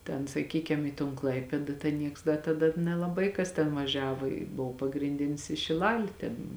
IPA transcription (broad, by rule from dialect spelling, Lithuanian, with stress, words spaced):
ˈtʲɛn sɐˈkʲiːkʲɛm iː toːn ˈklˠɐɪpʲeːdɐ tʲɛn ˈnʲiɛks dɐ tɐˈdɐ nʲɛlˠɐˈbɐɪ ˈkɐs tʲɛn ʋɐˈʒʲæːʋoː ɪ ˈboːw pɐɡrʲɪnʲˈdʲɪnʲɪs ɪ ʃʲɪˈlˠɑːlʲɪ tʲeːn